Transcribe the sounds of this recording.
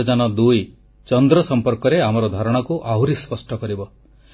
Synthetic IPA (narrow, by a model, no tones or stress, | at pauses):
d͡ʒanɔd̪uj | t͡ʃɔnd̪ɾɔsɔmpɔɾkɔɾeamɔɾɔd̪ʱaɾɔɽ̃ɔkuʔaɦuɾispɔsʈɔkɔɾibɔ